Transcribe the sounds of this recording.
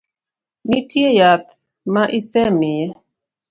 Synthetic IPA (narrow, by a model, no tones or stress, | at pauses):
nitjejat̪̚ | maʔisɛmijɛ